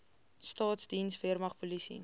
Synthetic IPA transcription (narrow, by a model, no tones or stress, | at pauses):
stɑːtsdinsviərmɐχpulisḭ